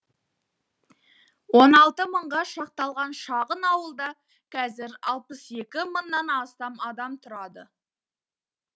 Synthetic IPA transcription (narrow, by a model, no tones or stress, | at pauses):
wo̞nɑlˠt̪əməɴʁɑʃɑq̚t̪ɑlˠʁɑnʃɑʁənɑwəlˠd̪ɑ | kʰɑzɪɾɑ̰lˠpəse̞kʲɪmənːɑnɑst̪ɑmɑd̪ɑmt̪ʰʊɾɑd̪ə